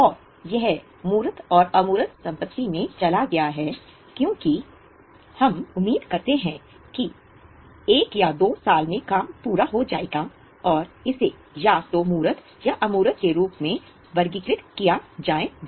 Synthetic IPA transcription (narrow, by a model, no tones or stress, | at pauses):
ɔːɾ | jɐɦ | muːɾət̪ɔːɾɐmuːɾət̪sɐ̃mpət̪ːimẽt͡ʃɐlaɡɐjaɦɛː | kjõːki | hɐmʊmːiːd̪kɐɾt̪eɦɛ̃ | ki | eːkjad̪oːsaːlmẽkaːmpuːɾaɦod͡ʒaːeːɡa | ɔːɾɪse | jaːst̪omuːɾət̪ | jaʔɐmuːɾət̪keɾuːpmẽ | ʋɐɾɡikɾɪt̪kijad͡ʒaːe